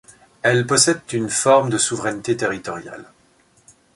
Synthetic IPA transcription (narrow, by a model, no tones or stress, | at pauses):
ɛlpɔsɛd̪t̪ynfɔʁmd̪əsuvʁɛnt̪et̪eʁit̪ɔʁja̰l